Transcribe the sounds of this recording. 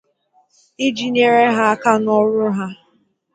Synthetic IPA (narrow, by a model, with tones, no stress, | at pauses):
i˦d͡ʒi˨ɲe˦ɾe˦ɦa˦a˦ka˦nɔ˦ɾʊ˦ɦa˦